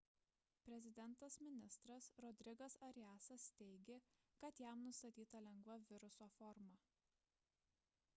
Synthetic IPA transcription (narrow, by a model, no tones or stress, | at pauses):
pʲɾʲɛzʲɪd̪ʲɛnˑt̪ɐsmʲɪnʲɪst̪ɾɐsɾɔd̪ʲɾʲɪɡɐsɐɾʲjæːsɐst̪ʲɛɪɡʲeːkɐt̪jæˑmnʊst̪ɐt̪ʲiːt̪ɐlʲɛŋɡʋɐʋʲɪɾʊsoːfɔɾmɑ